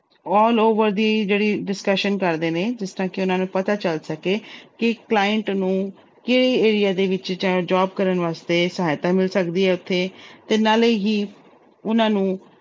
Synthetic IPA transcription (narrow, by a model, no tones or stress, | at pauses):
ɔːloːʋəɾd̪iːd͡ʒeːɽiːɖɪskəʃənkəɾd̪eːneːd͡ʒɪsʈ̪ãːkɪʊnãːnũːpət̪aːt͡ʃəlsəkeːkɪklaːjəɳʈnũː | keːɽiːeːɾijaːd̪eːʋɪt͡ʃd͡ʒãːd͡ʒaːbkəɾənʋaːst̪eːsəɦaːjt̪aːmɪlsəkd̪iːɦɛːʊt̪ʰːeːt̪eːnaːleːɦiː | ʊnãːnũː